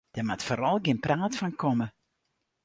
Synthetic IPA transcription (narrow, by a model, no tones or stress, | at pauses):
d̥ɛmatfoːɾɑlˠɡɪnpraːtfɑnkʰɔmə